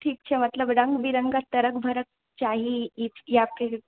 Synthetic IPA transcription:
ʈʰiːk̚t͡ɕʰemət̪ləbɽə̃ŋɡʋiɾəŋɡat̪əɾəkbʱəɾək̚ | t͡ɕaɦiitjap̚ke

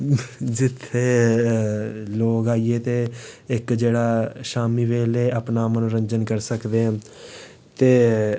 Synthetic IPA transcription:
d͡ʒɪt̪ʰːeː | loːkaːieːt̪eːɪkd͡ʒeːɽaːʃaːmiːʋeːleːəpnaːmənːɾəɲd͡ʒənkəɾsəkd̪ẽː | t̪eː

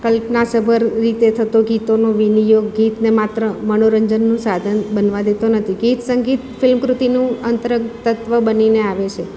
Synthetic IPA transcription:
kəlpnasəbʱəɾːit̪et̪ʰət̪oɡit̪onoʋinijoɡːit̪nemat̪ɾəmənoɾəɲd͡ʒənːũsad̪ʱənbənʋad̪et̪onət̪ʰiɡit̪səŋɡit̪fɪlmkɾut̪inũənt̪əɾət̪ət̪ʋəbənineaʋet͡ʃʰe

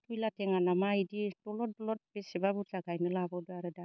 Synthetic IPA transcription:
tujlateŋanamajdidɔlɔt̚dɔlɔt̚besebabuaɡajnɯlabɔduaɾɯda

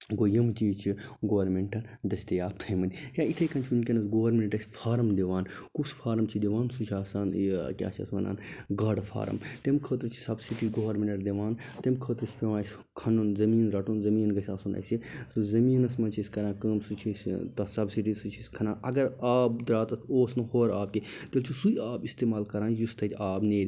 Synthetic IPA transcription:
ɡojɐmt͡ʃiːt͡ʃʰiɡoʋɐɾmeɳʈɐn | d͡ʒ̪ɐsʲt̪ejaːb̚t̪ʰɐjmɐnʲjait̪ʰɐjkɐnt͡ʃʰiunkʲɐnɐsɡoːʋɐɾmʲeɳʈɐsʲfʰaːɾɐmd̪iʋaːnkusfʰaːɾɐmt͡ʃʰid̪iʋaːnsut͡ʃʰaːsaːnkʲa̰ːt͡ʃʰɐ̰sʋɐna̰ːnɡɐɽfʰa̰ːɾɐ̰mt̪emkʰəːt̪ɾt͡ʃʰi̥sɐbsiʈiɡoːʋɐɾmʲeɳʈɐɾd̪eʋaːnt̪emkʰəːt̪ɾɨsʲpʲeʋãːs | kʰɐnunzɐmiːnɾɐʈʰuːnzɐmiːnɡɐsʲaːsuːnɐ̰sisuzɐmiːnɐsmɐnt͡ʃʰisʲkɐɾãːnkəːmsut͡ʃʰist̪ɐsɐbsiʈisut͡ʃʰisʲkʰɐnãːɐɡɐɾaːb̚d̪ɾaːt̪ɐoːsnɐhoːɾaːb̚ket̪elt͡ʃʰisujaːbist̪eːmaːlkɐɾãːnjust̪ʰɐt̪ʰʲaːbneːɾʲ

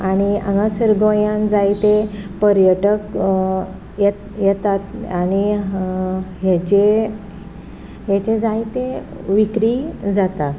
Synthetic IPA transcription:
aɽ̃iã̰ŋɡasəɾɡojãnd͡zait̪epəɾjəʈək | jɛt̪jɛt̪at̪añi | ɦet͡ɕe | ɦet͡ɕed͡zajt̪e | ʋikɾid͡zat̪a

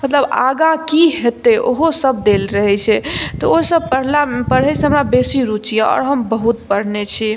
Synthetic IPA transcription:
mət̪ləba̰ɡãkiɦet̪eʔo̰ɦosəb̚d̪elɾəɦɛt͡ʃʰɛt̪ɔosəbpəɦlapəɽ̤ɛseɦəmɾabesiɾut͡ʃijaɔ̰ːɾɦəmbəɦut̪̚pəɽ̤net͡ʃʰi

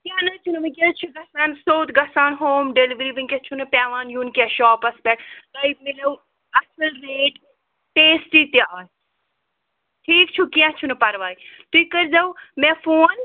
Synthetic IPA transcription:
kjaːnɐt͡ʃʰunumikʲɐt͡ʃʰuɡɐsaːnsoːt̪ɡɐsaːnɦoːmɖeliʋɾiːʋinkʲet͡ʃʰunɨpʲaːʋaːnjunkʲaʃɔːpɐspʲɛʈt̪ɐimilɐw | ɐt͡ʃʰulɾeːʈ | ʈeːsʈit̪jaː | ʈʰiːkt͡ʃʰukiãt͡ʃʰunɨpɐɾʋaːit̪uikəɾd͡ʒawmɛ̃foːn

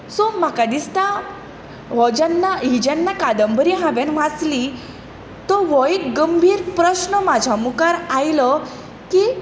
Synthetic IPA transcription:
sɔm̤akad̪ist̪a | ʋɔd͡ʑanːaɦid͡ʑanːakad̪əmbəɾiɦãbanʋ̤at͡sli | t̪ɔʋɔjikɡəmbʱiːɾpɾəɕnəmad͡ʑʱamukaɾajlə | ki

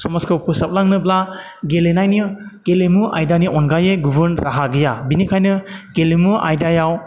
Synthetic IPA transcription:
sɔmaskʰawpʰusap̚laŋnɯbla | ɡelenajnikelemuʔa̰jdaniɔnɡajeɡubɯɾnɾaɦaɡijabinikʰajnɯkelemuʔa̰jdajaw

